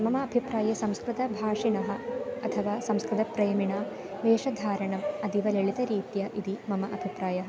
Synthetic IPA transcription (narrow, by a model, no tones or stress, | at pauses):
mɐmɐːbʱipɾaːjɐsɐmskɾut̪ɐbʱaːʂinɐɦɐ̆ɐt̪ʰɐʋaːsɐmskɾut̪ɐpɾejɐmiɳaː | ʋeːʂɐd̪ʱaːɾɐɳɐmɐd̪iʋɐleɭit̪ɐɾiːt̪jɐʔid̪imɐmɐʔɐbʱipɾaːjɐɦɐ